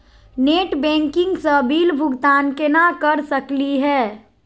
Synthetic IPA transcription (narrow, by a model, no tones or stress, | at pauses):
neːʈbɛ̃ːŋkɪ̃ŋɡsəbiːlbʱʊɡt̪aːnkenakəɾsəkliɦɛː